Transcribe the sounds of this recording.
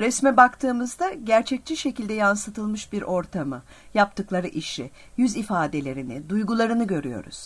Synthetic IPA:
ɾɛsmɛbakt̪ʰɯːmɯzd̪aɟæɾt͡ʃʰɛc̚t͡ʃʰiʃe̞cilʲd̪ɛjansɯt̪ʰɯlˠmɯʃbiɾo̞ɾt̪ʰamɯ | jap̚t̪ʰɯklˠaɾɯʔiʃi | jyzifaːd̪e̞lʲe̞ɾinɪd̪ujɡulˠaɾɯnɯɟø̞ɾyjo̞̰ɾṵz̥

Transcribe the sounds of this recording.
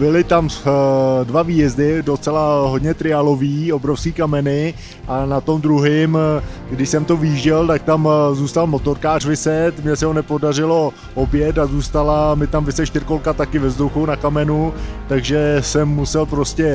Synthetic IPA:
bɪlɪt̪am | dvaviːjɛzdɪdo̞t͡sɛlaɦodɲɛt̪ɾɪalo̞viːo̞bɾofskiːkamɛnɪ | ʔanat̪o̞md̪ɾuɦɪmɡdɪʃsɛmt̪o̞vɪʒɛlt̪ak̚t̪amzuːst̪almo̞t̪o̞ɾkaːr̥vɪsɛt̪mɲɛsɛɦonɛpodarɪlo̞ | objɛt̪azuːst̪alamɪt̪amvɪsɛʃt̪ɪɾkolkat̪akɪvɛzd̪owxownakamɛnut̪aɡʒɛsɛmːusɛlpɾo̞scɛ

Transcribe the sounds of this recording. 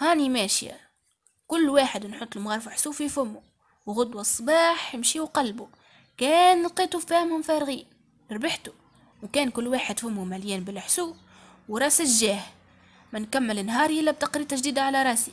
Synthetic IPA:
hæːnimæːʃja̰ | kʊlːwaːħəd̪nħʊt̪ˤːlmɣɑɾˤfɪħsuːfifʊmːu | wɣʊd̪wasˤːbɑːħjəmʃiwqɑlbu | kæːnlqiːt̪ˤufæːhmhʊmfæɾɣiːn | ɾbɪħt̪u | wkæːnkʊlːwaːħəd̪fʊmːumæljæːnbɪlħsuː | wɾˤɑːsɪʒæːh | mænkamːələnɦɑːɾˤʔɪlːæb̚t̪ɑqɾiːt̪aʒd̪iːd̪aʕalæɾˤɑːsi

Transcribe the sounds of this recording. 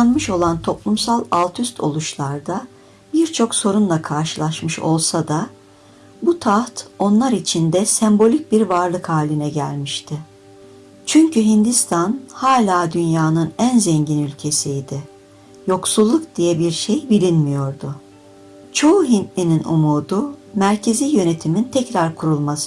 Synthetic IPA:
nmɯʃo̞lˠant̪ʰo̞plˠumsalˠalˠt̪ʰyst̪ʰo̞̰lˠuʃlˠaɾd̪a | biɾt͡ʃʰo̞kso̞ɾunlˠakʰaɾʃɯlˠaʃmɯʃo̞̰lˠsad̪a | but̪ʰaht̪o̞nlˠaɾit͡ʃʰind̪ɛsɛmbo̞lʲic̚biɾvaɾlˠɯkhaːlʲinɛɟælʲmiʃt̪ʰɪ | t͡ʃʰyɲcʰyɦind̪ist̪ʰanhaːlʲaːd̪ynjaːnɯnænzɛɲɟinylʲcʰe̞sijd̪ɪ | jo̞ksulˠːukd̪ijɛbiɾʃejbilʲinmijo̞ɾd̪ʊ | t͡ʃʰo̞uɦint̪lʲininṵmuːd̪umæɾcʰe̞ziːjø̞ne̞t̪ʰimint̪ʰɛcɾaɾkʰuɾulˠmasɯ

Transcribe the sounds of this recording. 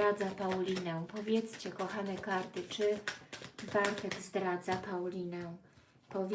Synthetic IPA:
ad̪zapawlʲinɛw̃pɔvʲjɛt̪st͡ɕɛkɔxanɛkaɾt̪ɘt͡ʂɘ | baɾt̪ɛɡzd̪ɾad̪zapawlʲinɛw̃ | pɔvʲ

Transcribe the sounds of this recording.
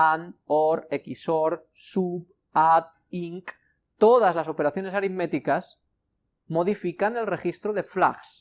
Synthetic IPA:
anoɾekisoɾsup | at̪̚ | iŋk | t̪o̞ð̞azlaso̞pe̞ɾaθjo̞nesaɾimet̪ikas | mo̞ð̞ifikane̞lre̞xist̪ɾoðe̞fla̰ɣs

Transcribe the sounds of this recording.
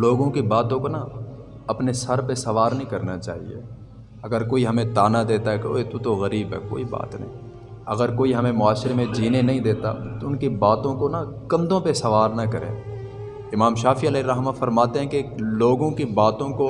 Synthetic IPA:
loːɡõkibaːt̪õkona | ɐpnesɐɾpesɐʋaːɾnɐɦĩkɐɾnat͡ʃa̰ːɦḭḛː | ɐɡəɾkoːiɦɐmẽt̪aːnad̪eːt̪aɦɛko̰ːet̪ut̪oɣɐɾiːbɦɛ̰ːko̰ːiba̰ːt̪nɐ̰ɦḭ̃ | ɐɡəɾkoːiɦɐmẽmʊaːʃɾemẽd͡ʒiːnenɐɦĩd̪eːt̪a̰t̪oʊnkibaːt̪õkonakɐ̃md̪õpesɐʋaːɾnɐkɐɾḛ̃ː | ɪmaːmʃaːfiɐleɾɐɦmafɐɾmaːt̪eɦɛ̃keloːɡõkibaːt̪õko

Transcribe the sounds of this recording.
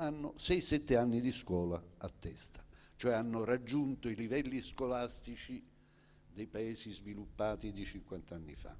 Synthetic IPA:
anːʊsɛjsɛt̪ːɪanːid̪iskwɔːlaat̪ːɛst̪ḁ | t͡ʃoɛanːʊrad͡ʒːunt̪oilivɛlːiskolast̪it͡ʃi | d̪ɛjpaɛːsizvilupːaːt̪id̪it͡ʃiŋkwant̪aanːḭfa̰

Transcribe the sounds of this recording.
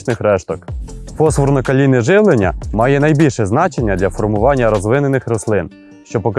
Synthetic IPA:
t͡ʃnɪxɾɛʃt̪ɔkpɔsʋɔrnɔkɐlʲinɪʒɪʋlˠenʲːɐ̰mɑjɛnɐjbʲilʲʃɛznɑt͡ʃenʲːɐd̪ʲlʲɐfɔrmʊʋɑnʲːɐɾɔzʋɪnenɪxɾɔslˠɪn | ʃt͡ʃɔpɔk

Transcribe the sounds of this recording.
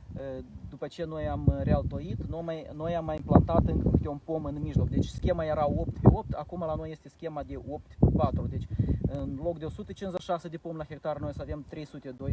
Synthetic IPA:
d̪upət͡ʃe̞no̞jamrealt̪o̞it̪nomajno̞jamːajimplant̪at̪ɨŋkɨkɨt̪eunpo̞mɨnmiʒlo̞k̚d̪et͡ʃʲskʲe̞maje̞ɾao̞pt̪ʲpeo̞p̚t̪ʲakumalano̞je̞st̪e̞skʲe̞mad̪e̞ʔo̞p̚t̪ʲpat̪ɾud̪et͡ʃʲɨnlo̞kd̪eosut̪ət͡ʃinzaʃased̪e̞po̞mlaxʲe̞k̚t̪arno̞jsave̞mt̪ɾe̞jsut̪e̞d̪o̞j

